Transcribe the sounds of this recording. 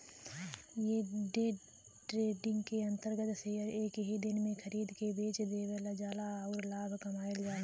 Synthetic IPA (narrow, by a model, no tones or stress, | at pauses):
jeːɖeː | ʈɾeːɖɪ̃ŋɡkeə̃nt̪əɾɡət̪seəɾeːkɦid̪ɪnmẽxʰəɾiːd̪kebeːt͡ʃd̪eːʋelad͡ʒaːlaɔːɾlaːbʱkɐmaːeld͡ʒaːe